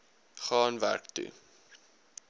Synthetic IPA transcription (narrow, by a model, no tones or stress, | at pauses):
χɑːnvæ̰rktṵ